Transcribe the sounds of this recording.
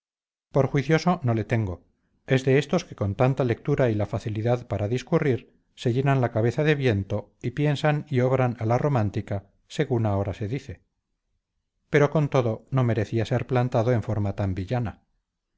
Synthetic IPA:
po̞ɾxwiθjo̞so̞no̞le̞t̪e̞ŋɡo̞ | e̞zðe̞est̪o̞ske̞̥ko̞nt̪ant̪ale̞k̚t̪uɾailafaθiliðaðpaɾaðiskuriɾ | se̞ʝe̞nanlakaβe̞θaðe̞βje̞nt̪o̞ipje̞nsanio̞βɾanalaro̞mãnt̪ika | se̞ɣunao̞ɾase̞ðiθe̞ | pe̞ɾo̞ko̞nt̪o̞ðo̞no̞me̞ɾe̞θiase̞ɾplant̪aðo̞e̞ɱfo̞ɾmat̪ambiʎana

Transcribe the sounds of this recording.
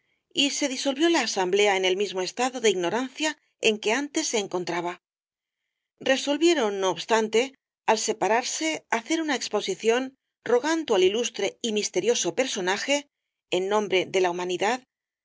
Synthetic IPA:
ise̞ðiso̞lβjo̞laːsamble̞aene̞lmizmo̞est̪aðo̞ðeiɣno̞ɾanθja | e̞ŋke̞ant̪e̞sːe̞ːŋko̞nt̪ɾaβa | re̞so̞lβje̞ɾo̞nːo̞ːβst̪ant̪e̞ | alse̞paɾaɾse̞aθe̞ɾunaekspo̞siθjo̞n | ro̞ɣand̪oalilust̪ɾe̞imist̪e̞ɾjo̞so̞pe̞ɾso̞naxe̞ | enːõ̞mbɾe̞ðe̞laumãniðað

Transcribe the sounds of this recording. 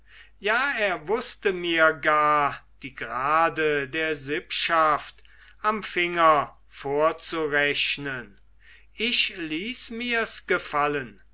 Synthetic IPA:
jaːeːɐvʊstəmiːɐɡaːɐd̥iːɡʁaːdədeːɐzɪpʃaft | ʔamfɪŋɐ | foːɐt͡suʁɛɕnən | ɪɕliːsmiːɐsɡ̥əfalən

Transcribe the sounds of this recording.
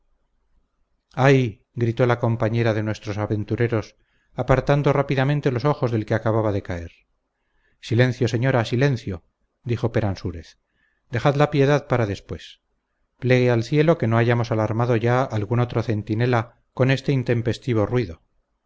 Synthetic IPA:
aj | ɡɾit̪o̞lako̞mpaɲe̞ɾaðe̞nwe̞st̪ɾo̞saβe̞nt̪uɾe̞ɾo̞s | apaɾt̪and̪o̞rapiðamẽnt̪e̞lo̞so̞xo̞zðe̞lke̞akaβaβaðe̞kae̞ɾ | silẽ̞nθjo̞se̞ɲo̞ɾasile̞n̟θjo̞ | d̪ixo̞pe̞ɾansuɾe̞θ | d̪e̞xaðlapje̞ðaðpaɾaðe̞spwe̞s | ple̞ɣealθje̞lo̞ke̞no̞aʝamo̞salaɾmaðo̞ʝaalɣuno̞t̪ɾo̞θe̞nt̪ine̞la | ko̞ne̞st̪e̞int̪e̞mpe̞st̪iβ̞o̞rwiðo̞

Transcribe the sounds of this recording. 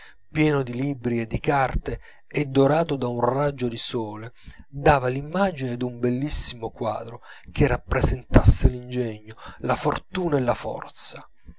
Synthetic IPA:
pjɛːnod̪ilibɾied̪ːikart̪e | ɛd̪ːoɾaːt̪od̪aunrad͡ʒod̪isɔːled̪aːvalimːaːd͡ʒined̪umbelːisːimokwa̰ːd̪ɾokʰerapːɾezent̪asːelind͡ʒɛɲːolafort̪uːnaelːafɔ̰rt̪sa

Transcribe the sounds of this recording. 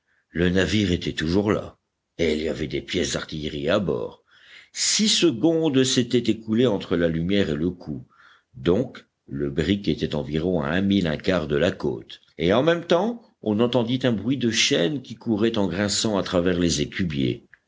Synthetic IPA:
lənaviʁet̪ɛt̪uʒuʁla̰ | eiliavɛd̪epjɛsd̪aʁt̪ijʁiabɔ̰ːʁ | sisəɡɔ̃d̪set̪ɛt̪ekuleɑ̃t̪χəlalymjɛʁeləkʰu | d̪ɔ̃k | ləbʁiket̪ɛt̪ɑ̃viʁɔ̃a̰ɛ̃milɛ̃kaʁd̪əlako̰t̪ | eɑ̃mɛmt̪ɑ̃ | ɔ̃nɑ̃t̪ɑ̃d̪it̪ɛ̃bʁɥid̪əʃɛnkʲikuʁɛt̪ɑ̃ɡʁɛ̃sɑ̃at̪χavɛʁlezekʰʲybjḛ

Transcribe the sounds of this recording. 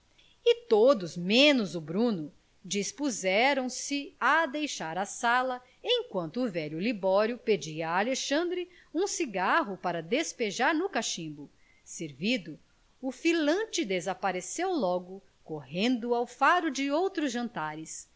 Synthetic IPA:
ɪt̪od̪ʊzmẽnʊzʊbɾũnʊ | d͡ʒispuzɛɾɐ̃w̃sɪɐd̪ejʃaɾɐsalɐ | ẽj̃kwɐ̃nt̪ʊːvɛʎʊlibɔɾjʊped͡ʒiɐːleʃɐ̃nd̪ɾɪ | ũsiɡaɦʊpaɾɐd̪espeʒaɾnʊkaʃĩbʊ | seɾvid̪ʊː | filɐ̃t͡ʃɪd̪ezapaɾesewlɔɡʊ | kohẽnd̪ʊawfaɾʊd͡ʒɪowt̪ɾʊzʒɐ̃nt̪aɾɪs

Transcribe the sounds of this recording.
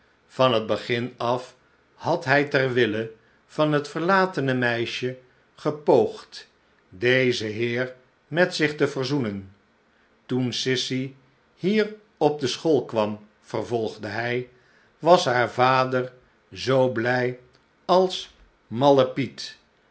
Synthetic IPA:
v̥ɑnɦəd̚bəχɪnɑf | hɑtɦɛjtɛrʋɪlə | v̥ɑnɦətfəɹlaːtənəmɛjʃə | χəpowχt | dejzəɦɪːɹ | mɛtsɪχtəvəɹzunən | tunsɪsi | hiːr | ɔb̚dəsχolˠkʋɑm | v̥ərvɔlˠχdəɦɛj | ʋɑsɦaːɹvaːdəɹ | zowblɛj | ɑlˠs | mɑləpit

